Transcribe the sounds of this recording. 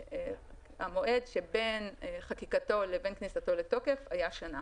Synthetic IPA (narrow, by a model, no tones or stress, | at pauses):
a̰mo̞ʔe̞dʃe̞be̞nχakikato̞lebe̞nknisato̞le̞to̞ke̞fajaʃana